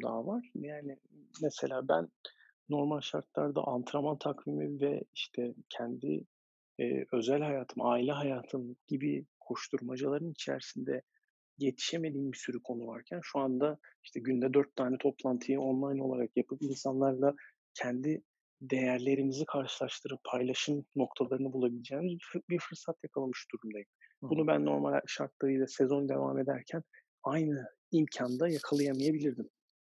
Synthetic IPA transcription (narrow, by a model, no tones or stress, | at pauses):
d̪a̰ːvaɾ̥jaːni | mɛse̞lʲaːbæ̰nː | o̞ɾmalʲʃaɾt̪lˠaɾd̪a̰ʔant̪ʰɯɾamant̪ʰakvimivɛ̰iʃt̪ʰɛcʰɛnd̪ḭ | ø̞zælʲhajaːt̪ʰɯmaːilʲɛɦajaːt̪ʰɯmɟ̥ibikʰo̞ʃt̪ʰuɾmad͡ʒalˠaɾɯnit͡ʃʰæ̰ɾsind̪ɛ | je̞t̪ʰi̥ʃeme̞d̪iːmbisyɾykʰo̞nuvaɾcʰænʃuand̪aiʃt̪ʰɛɟynd̪ɛd̪øɾt̪ːʰaːnɛt̪ʰo̞plˠant̪ʰɯjɯo̞nlˠajno̞lˠaɾakjapʰɯpinsanlˠaɾlˠa | cʰɛnd̪i | d̪e̞jæɾlʲe̞ɾimizikʰaɾʃɯlˠaʃt̪ʰɯɾɯppʰːajlˠaʃɯmno̞k̚t̪ʰalˠaɾɯnɯbulˠabilʲed͡ʒeːmizbbiɾfɯɾsat̪jakʰalˠamɯʃd̪̥uɾumd̪ajɯmbunubæ̰nːo̞̰ɾmal̰ʲʃaɾk̪lˠaɯjlˠasezo̞nd̪e̞̰va̰ːme̞d̪æɾcʰæn | ajnɯ | imcʰand̪ajakʰalˠɯjamajebilʲiɾd̪im